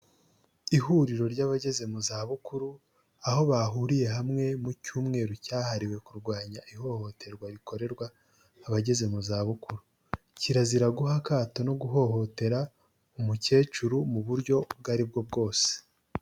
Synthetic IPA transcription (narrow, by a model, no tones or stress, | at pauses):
ihuːɾiɾo̞ɾɟaβaɟe̞ze̞muzaːβukuɾu | aho̞βaɦuːɾije̞ɦamŋe̞mucuːmŋe̞ːɾocaːhaɾiwe̞kuɾɡwaːɲaʔiɦo̞ho̞tʰe̞ɾɡwaɾiko̞ɾe̞ɾɡwaː | βaɟe̞ze̞muzaːβukuɾu | ciɾaziɾaɡuɦakaːto̞no̞ɡuɦo̞ɦo̞te̞ɾa | umuce̞ːt͡ʃuɾumuβuɾɟo̞bɡaɾibɡo̞b̚ɡo̞ːse̥